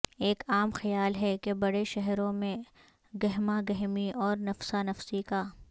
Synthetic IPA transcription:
eːkaːmxɐjaːlɦɛkebɐɽeʃɛɦɾõmẽ | ɡɐɦmaɡɐɦmiɔːɾnɐfsanɐfsikaː

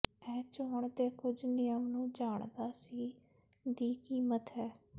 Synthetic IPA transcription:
ɛːt͡ʃoːɳd̪eːkʊd͡ʒnɪjəmnũːd͡ʒaːɳd̪aːsiː | d̪iːkiːmət̪ɦɛː

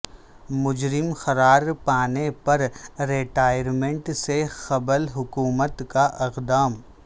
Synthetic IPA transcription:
mʊd͡ʒɾɪmxɐɾaːɾpaːnepɐɾːeːʈaːjəɾmẽɳʈsexɐbəlɦʊkuːmət̪kaʔɪqd̪aːm

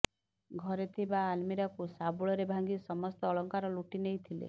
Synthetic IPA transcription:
ɡʱɔɾet̪ʰibaːlmiɾakusabuɭɔɾebʱaŋɡisɔmɔst̪ɔːɭɔŋkaɾɔluʈinejt̪ʰilḛ

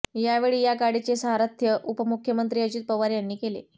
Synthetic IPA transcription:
jaʋeɭiːjaɡaɽit͡sesəɦaɾat̪ʰːjəʔupəmukʰjəmənt̪ɾiːəd͡ʑiːt̪̚pəʋaɾjanːiːkelḛ

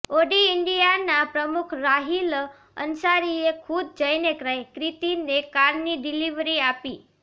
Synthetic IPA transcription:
oɖiɪɳɖijanapɾəmukʰɾaɦil | ə̰nsaɾiekʰud̪̚d͡ʒəjnekɾajkɾit̪inekaɾniɖiliʋɾiapi

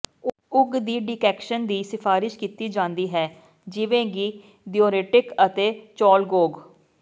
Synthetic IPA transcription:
ʊɡd̪iːɖɪːkɛːkʃənd̪iːsɪfʰaːɾɪʃkiːt̪iːd͡ʒãːnd̪iːɦɛː | d͡ʒɪʋẽːɡiː | ɖioːɾeːʈɪkət̪eːt͡ʃɔːlɡoːɡ

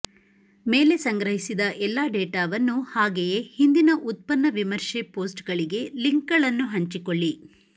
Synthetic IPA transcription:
me̞ːle̞sɐŋɡɾɐɦisid̪ɐʔɛlːaːɖeːʈaːʋɐnːuhaːɡejehind̪inɐʔut̪̚pɐnːɐʋimɐɾʂepoːsʈɡɐɭiɡe̞liŋkɡɐɭɐnːuɦɐɲt͡ʃikoɭːi

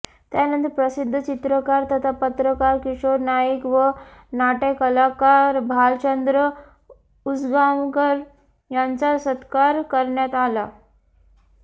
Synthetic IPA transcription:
t̪janənt̪ipɾəsid̪ʱːət͡ɕit̪ɾəkaɾt̪ʰət̪ʰapət̪ɾəkaɾkiʂoɾnajikʋənaʈekəlakaɾbʱalt͡ɕənd̪ɾə | ud͡zɡamkəɾ | jant͡sasət̪kaɾkəɾɳjat̪ala

